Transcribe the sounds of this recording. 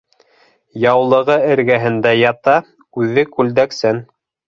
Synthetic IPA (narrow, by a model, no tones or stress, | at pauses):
jɑwlˠɤ̆ʁɤɘ̆ɾɡæɦɘ̆nd̪æjɑt̪ɑ | ʉðɘkʉld̪æksæn